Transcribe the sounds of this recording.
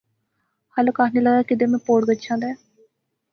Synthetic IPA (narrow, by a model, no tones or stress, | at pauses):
hələkaːɦneːləɡaːkɪd̪eːmɛ̃ːpoːɽɡətːʃʰãːd̪ɛː